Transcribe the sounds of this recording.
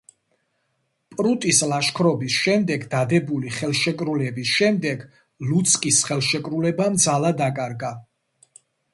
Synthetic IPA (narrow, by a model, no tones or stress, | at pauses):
pʼɾut̪ʼislaʃkʰɾɔbisʃɛmd̪ɛɡd̪ad̪ɛbuliχɛlˠʃɛkʼɾulɛbisʃɛmd̪ɛɡ | lut̪sʰʼkʼisχɛlˠʃɛkʼɾulɛbamd̪zalad̪akʼaɾɡa